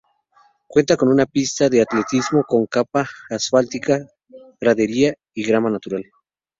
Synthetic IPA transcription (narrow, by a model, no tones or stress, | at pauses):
kwe̞nt̪ako̞nunapist̪aðe̞at̪let̪izmo̞ko̞ŋkapaːsfalt̪ika | raðe̞ɾia | iɣɾamanat̪uɾal